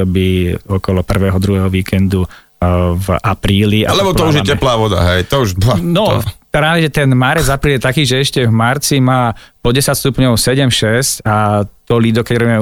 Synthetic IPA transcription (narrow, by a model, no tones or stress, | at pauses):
ɔbiɔkɔlɔpr̩ʋɛːɦɔd̪ɾuɦɛːɦɔʋiːkʰɛnd̪u | vapɾiːliʔaalɛbɔt̪ɔuʒjɛcɛplaːʋɔd̪a̰ɦɛjt̪ɔuʒnɔtɾaːʋɛʒɛt̪ɛnmaɾɛd͡zapɾiːljɛt̪akiːʒɛɛʃcɛvmaɾt͡simaːpɔɟɛsacst̪upɲɔʊsɛɟɛmʃɛscat̪ɔlid̪ɔkɛɟɾɔbimɛ